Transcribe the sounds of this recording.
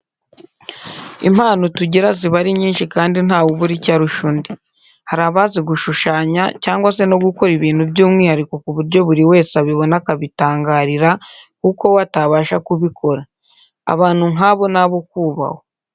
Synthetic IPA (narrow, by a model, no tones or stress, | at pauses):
ḭm̥haːnotuɟiɾaziβaɾiɲiːnʃikaːndin̥aːwoβuɾicaɾuʃundi | haɾaβaziɡuʃuʃaːɲa̰caːŋɡwase̞no̞ɡuko̞ɾiβiːn̥hubjuːmŋiːhaɾiko̞kuβuɾjo̞βuɾiwe̞ːsaβiβo̞nakaβitaːŋɡaːɾiɾakuko̞wataβaːʃakuβikʰo̞ɾa | a̰βaːn̥huŋaβo̞naβokuːβa̰ho̞